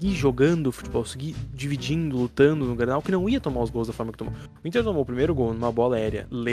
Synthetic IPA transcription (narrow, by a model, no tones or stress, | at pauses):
ɡiʒoɡɐ̃nd̪ʊfu̥t͡ʃibɔwsɪɡid͡ʒivid͡ʒĩnd̪ʊlut̪ɐ̃nd̪ʊnʊɡɾnawkɪnɐ̃w̃iɐt̪omaɾʊzɡowzd̪ɐfɔɾmɐkɪ̥t̪omo̰ | ĩt̪eɾt̪õmowpɾimejɾʊɡownũmɐbɔlɐaɛɾjɐ̰le